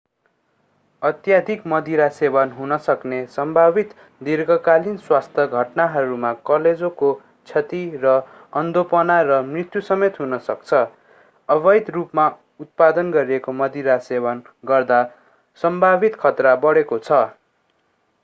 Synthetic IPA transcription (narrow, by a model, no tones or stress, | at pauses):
ʌt̪jad̪ʱikmʌd̪iɾasebʌnɦunʌsʌknesʌmbʱabit̪ | d̪irɡʌkalinswast̪ʰjʌɡʱʌʈnaɦʌɾumakʌled͡zoko | t͡sʰʌt̪irʌ | ʌnd̪opʌnarʌmrit̪jusʌmet̪ɦunʌsʌkt͡sʰʌ | ʌβʌjd̪rupma | ut̪̚pad̪ʌnɡʌɾiekomʌd̪iɾasebʌn | ɡʌrd̪a | sʌmbʱabit̪kʰʌt̪rabʌɽekot͡sʰʌ